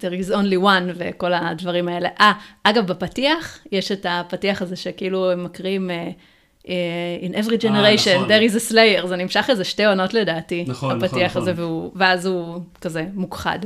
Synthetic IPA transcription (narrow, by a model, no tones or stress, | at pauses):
d̪̥eʁizo̞nliwanve̞ko̞ladvɐʁimae̞le̞ʔaʔaɡavbapatiaχjeʃetapatiaχazeʃe̞kiiluemːakʁime | einʔevʁid͡ʒeneʁejʃond̪eʁizeslejeʁzenimʃaχlezeʃte̞jono̞tle̞daːtinapatiaχazeveuveazukaze̞mukχa̰d